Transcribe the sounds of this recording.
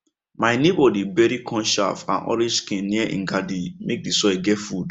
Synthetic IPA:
maɪnebɔdibɛɾikʰɔ̃nʃa̰fã̰nɔ̰ɾĩskĩnːiɛʔḭ̃ŋɡadimek̚disɔɛɡɛtfud

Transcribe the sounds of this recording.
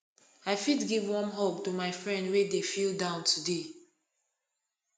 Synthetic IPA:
aɪfidɡivwɔ̃nɦoptumaɪfɹɛ̃ndwedefilˠdãʊ̃ntʰude

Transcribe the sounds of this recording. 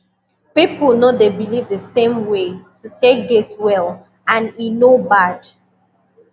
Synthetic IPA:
pipʰl̩ˠnoðebilivdðəsẽmwetʰutʰek̚ɡetwɛl | ãninobad̥

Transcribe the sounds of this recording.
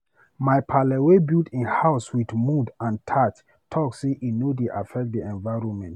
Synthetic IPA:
majpʰalɛwebildĩnhaʊswidmudãntʰat | tʰɔkseʔinodeʔafɛk̚diɛ̃nvaɪɹɔ̃nmɛ̃nt

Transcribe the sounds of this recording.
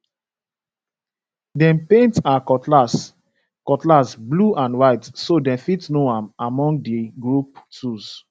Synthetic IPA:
dɛ̃mpẽntakɔtlas | kɔtlasbluʔãnwaɪtsodɛ̃mfitnoãmamɔ̃ŋɡ̚diɡɹup̚tus

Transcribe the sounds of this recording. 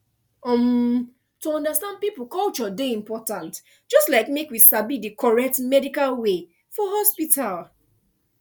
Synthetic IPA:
ɔ̃m | tuɔ̃ndastãnd̚piplkɔlt͡ʃɔdeĩmpɔtãnt | d͡ʒɔstlaɪkmekwisabidekʰɔɹɛk̚tmɛdikalwe | fɔɦɔspital

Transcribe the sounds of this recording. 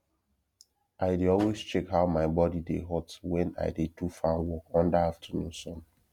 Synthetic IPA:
ʔaɪdeɔlwest͡ʃɛkɦaʊmaɪbɔdidḛɦɔtwɛ̃na̰ɪdetufãnwɔkɔ̃ndaaftʰənũnsɔ̃m

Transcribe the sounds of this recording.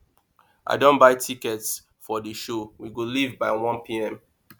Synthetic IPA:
ʔa̰ɪdõnbaɪtʰikɛts | fɔdəʃowiɡolivbaɪwɔ̃npʰiɛ̃m

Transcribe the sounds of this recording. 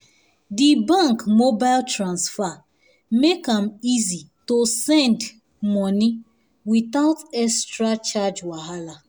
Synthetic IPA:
dibãŋkmobaɪltɾãnsfa | mekãmizitosɛ̃nd | mɔni | witaʊtɛstɾat͡ʃad͡ʒwaɦala

